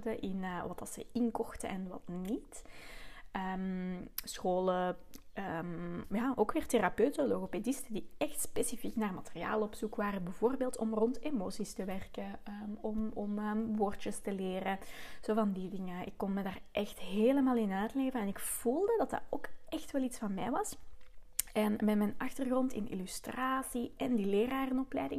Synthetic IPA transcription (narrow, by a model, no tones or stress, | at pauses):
dəʔɪnəʋɑtɑsə̰ɪnkɔxtə̰ʔɛnʋɑ̰tnit | əmsxoːləəmjaːʔoːkʋeːrterapøɥtəloɣopedɪstədiɛxtspeːsifiknaːrmateria̰ːlˠɔpsukʋaːɾənbəvoːrbeːlˠtɔmrɔntemoːsistəʋɛrkəəɔmɔməːʋoːrt͡ʃəstəleːrəz̥oːvɑndidɪŋəɪkːɔnmədaːrʔɛxtɦeːləmaːlˠɪnaːtleːvənɛnɪkv̥ulˠdədɑta̰roːkɛxtʋɛlˠitsfɑnmɛ̰jʋɑs | ɛnmɛtmɛnɑxtərɣrɔntɪ̰nḭlystraːsiʔɛndileːraːrənɔplɛ̰jdɪŋ